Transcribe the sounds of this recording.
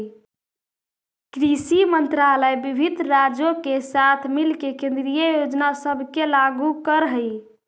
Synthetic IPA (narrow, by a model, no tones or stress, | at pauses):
kɾisimənt̪ɾaləjbibʱid̪ʱɾad͡ʒokesat̪ʰmilkekẽnd̪ɾijəjod͡ʒnasəbʱkelaɡukəɾɦəj